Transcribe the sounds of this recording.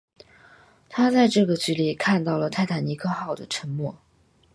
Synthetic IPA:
t̪ʰa˥t͡sa˥˧ɪʈ͡ʂɤ˥˩ɡə˩t͡ɕy˧˥li˥˩kʰa˥˧nt̪ɑ˥˩ʊlə˩t̪ʰa˥˩ɪt̪ʰa˨˩ni˧˥kʰɤ˥˧xɑ˥˩ʊd̪ə˩ʈ͡ʂʰə˧˥ŋmwɔ˥˩

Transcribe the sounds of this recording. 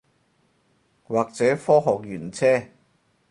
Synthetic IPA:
waː˨˩k̚t͡sɛː˨˥fɔː˥ɦɔː˨k̚jyː˨˩nt͡sʰɛː˥

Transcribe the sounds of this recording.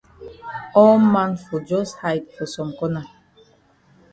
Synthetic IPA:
ɔ˦mːa˦nfu˨d͡ʒɔ˦sha˨jt̚fo˨sɔ˨mko˦na˨

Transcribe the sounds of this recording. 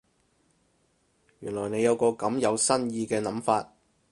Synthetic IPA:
jyː˨˩nlɔː˨˩jne˨˧jɐ˨˧wkɔː˧kɐ˨˥mjɐ˨˧wsɐ˥njiː˧kɛː˧nɐ˨˥mfaː˧t̚

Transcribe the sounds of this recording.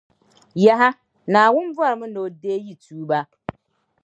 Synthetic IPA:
ja˨ɦa˦ | na˨wʊ˦n˦vʊ˦a˨ɾmʊ̃˦no˨deː˦ji˦tʰuː˨˦ba˦

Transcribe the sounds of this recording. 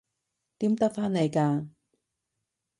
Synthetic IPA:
t̪iː˨˥mt̪ɐ˥k̚faː˥nːe˨˧jkaː˧

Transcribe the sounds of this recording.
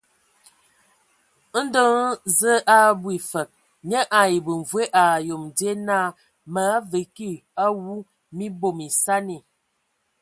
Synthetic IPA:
n̩˦də˦ŋ˦zə˦ʔa˦bwi˨fə˨k̚ | ɲə˦ʔa˨i˨bə˨ɱ˨vwe˦ʔa˨jo˨mde˦na˦ | mə˨˦a˦və˨ki˦˨a˦wu˦ | mi˦bo˨mi˨sa˦ni˨

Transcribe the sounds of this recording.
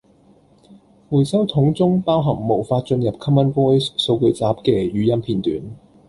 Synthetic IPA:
muː˨˩jsɐ˥wt̪ʰʊ˨˥ŋt͡sʊ˥ŋpaː˥wɦɐ˨˩ŋmo˨˩wfaː˧t̚t͡ʃɵ˧njɐ˨p̚kʰɐ˥mɐ˥nwɔː˥jso˧wkɵ˧ɥt͡saː˨˥p̚kɛː˧jyː˨˥jɐ˥mpʰiː˨˩nt̪y̰ː˨˥n

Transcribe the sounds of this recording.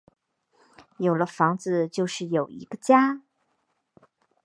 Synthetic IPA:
jo˨˩ʊlə˦fɑ˧˥ŋd͡zɹ̩˧t͡ɕjo˥˧ʊʂɻ̩˥˩jo˨˩ʊḭ˧˥ɡ̥ə˧t͡ɕja˥

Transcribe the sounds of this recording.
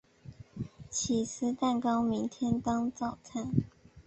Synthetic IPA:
t͡ɕʰi˨˩s̩ʰ˥t̪a˥˩nkɑ˥ʊmi˧˥ŋt̪ʰjɛ˥nt̪ɑ˥ŋt͡sɑ˥˨ʊt͡sʰa˥˩n

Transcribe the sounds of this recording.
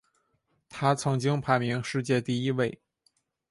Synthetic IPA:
t̪ʰa˥t͡sʰɤ˧˥ŋt͡ɕi˥ŋpʰa˧˥ɪmi˧˥ŋʂɻ̩˥˧t͡ɕjɛ˥˧t̪i˥˩i˥we˥˩ɪ

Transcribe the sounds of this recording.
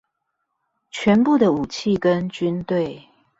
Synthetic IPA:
t͡ɕʰɥɛ˧˥npu˥˨d̪ə˨u˨˩t͡ɕʰi˥˨kə˦˥nt͡ɕy˦˥nt̪we˥˩ɪ

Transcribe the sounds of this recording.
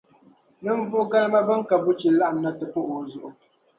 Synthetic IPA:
nɨ˦ɱ̩˦vʊ˦ʔʊ˦ɡa˦lba˦ba˦ŋ̩˦ka˨bu˦t͡ʃi˨la˦ʔn˨nːa˦tɨ˨po˦ʔo˨zʊ˨ʔʊ˨

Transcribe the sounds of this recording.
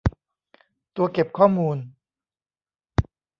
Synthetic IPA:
t̪u˧ɐke˨˩p̚kʰɔː˥˩muː˧n

